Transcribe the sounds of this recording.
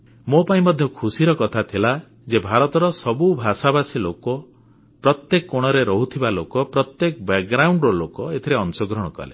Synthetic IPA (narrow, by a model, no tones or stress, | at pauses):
mopaĩmɔd̪ʱjɔkʰusiɾɔkɔt̪ʰat̪ʰila | d͡ʒebʱaɾɔt̪ɔɾɔsɔbubʱasabasilokɔ | pɾɔt̪jekɔkoɽ̃ɔɾeɾɔɦut̪ʰibalokɔpɾɔt̪jekɔbek̚ɡɾawɳɖɾɔlokɔet̪ʰiɾeɔnsɔɡɾɔɽ̃ɔkɔ̰lḛ